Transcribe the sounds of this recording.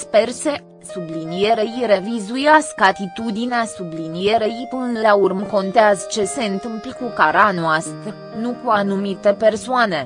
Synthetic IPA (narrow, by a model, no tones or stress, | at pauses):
spe̞rse̞ | sublinije̞ɾejiɾe̞vizujaskəat̪it̪ud̪ineasublinije̞ɾejpɨnlaurmko̞nt̪eazət͡ʃe̞se̞ɨnt̪ɨmpləkukaɾanoast̪ɾə | nukuanumit̪e̞pe̞rsoane̞